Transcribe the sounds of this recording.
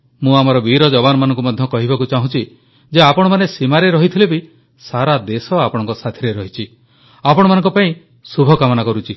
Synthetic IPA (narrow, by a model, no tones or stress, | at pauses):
mũamɔɾɔbiɾɔd͡ʒɔβanɔmanɔŋk̬umɔd̪ʱjɔkɔɦibakut͡ʃaɦũt͡ʃʰi | d͡ʒeapɔɽ̃ɔmanesimaɾeɾɔɦit̪ʰilebi | saɾad̪esɔapɔɽ̃ɔŋkɔsat̪ʰiɾeɾɔɦit͡ʃʰi | apɔɽ̃ɔmanɔŋkɔpaĩ | subʱɔkamɔnakɔɾut͡ʃʰi